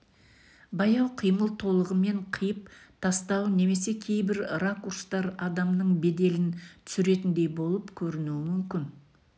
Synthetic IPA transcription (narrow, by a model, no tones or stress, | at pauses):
bɑjɑwqʰijməlˠt̪ʰo̞lˠəʁəme̞ɴqʰəjəp̚t̪ʰɑst̪ɑwəne̞me̞se̞kʲʰe̞jbɪɾrakurst̪ɑɾɑd̪ɑmnəɴbe̞d̪e̞lɪnt̪ʰʏ̥sʏɾe̞t̪ɪnd̪e̞jbo̞lˠəpkʲʰɵɾɪnuɪmʏmkʲɪn